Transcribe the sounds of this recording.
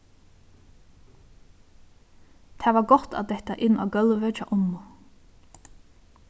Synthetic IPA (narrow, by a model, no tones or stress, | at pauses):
t̪ʰɛːvaɾɡɔt̪a̰d̪ɛht̪aʔɪnːʔa̰ːɡœlʋət͡ʃa̰ʔʊnːʊ